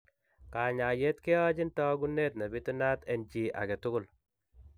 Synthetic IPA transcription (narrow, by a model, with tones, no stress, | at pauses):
ka˨ɲa˨je˦tkɪ˦ɔ˦d͡ʒɪ˦ntɔ˦ɡu˦ne˦t̚na˨bi˦tu˦na˦tɛ˨nd͡ʒi˨ʔa̰˨ɡɛ˨tʊ˦kʊ˦˨l